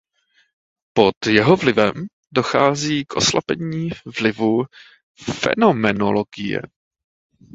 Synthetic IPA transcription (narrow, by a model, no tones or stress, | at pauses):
po̞t̪jɛɦovlɪvɛm | doxaːziːkʔoslʔa̰pɛɲiːvlɪvu | fɛ̰no̞mɛnoloɡɪjɛ̰